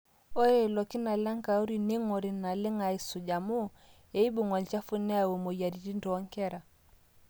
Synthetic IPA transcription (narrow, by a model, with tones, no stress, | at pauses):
o˦e˨lɔ˨ki˦na˨la˦ŋ˦ka˨u˦ɾi˨ne˦ŋɔ˨ɾi˨na˨lɪ˦ŋa˨i˨su˨d͡ʒa˨mo˦ | e˨˦i˦bu˨ŋɔ˨lt͡ʃa˦fu˦nɛ˦a˨we˨mo˨ja˨ɾi˨di˦ndɔ˨˦ŋ˦kɛ˦ɾa˨